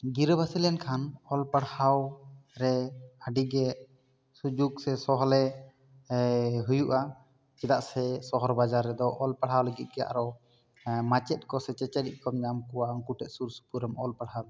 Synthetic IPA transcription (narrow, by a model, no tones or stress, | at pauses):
ɡiɾəbasilɛnkʰanɔlpaɽhawɾɛaɖiɡɛʔ | sud͡ʒuɡsɛsɔɦɔlɛ | ɦujuʔa | t͡ʃɛd̪aʔsɛsɔɦɔɾbad͡ʒaɾːɛd̪ɔʔɔlpaɽɦawləɡit̪̚ˀkɛja̰ʔaɾɔ | mat͡ʃɛt̪̚kɔsɛt͡ʃɛt͡ʃɛɖiʔ̚ˀkɔmɲamkɔwaŋkuʈɛʔ̪̚suɾsu̥puɾəmɔlpaɽhawd̪